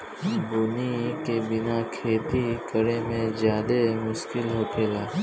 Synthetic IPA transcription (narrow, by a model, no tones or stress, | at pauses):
bʊnikebɪnakʰeːt̪ikəɾemẽzjaːd̪emʊʃkɪlɦoːpʰeːlaː